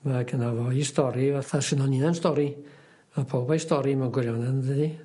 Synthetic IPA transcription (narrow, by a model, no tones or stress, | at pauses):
maɡʰənavɔistɔɾivaθasɪnɔninanstɔɾi | vɛpʰowbaistɔɾimanɡwɪɾjɔnandədi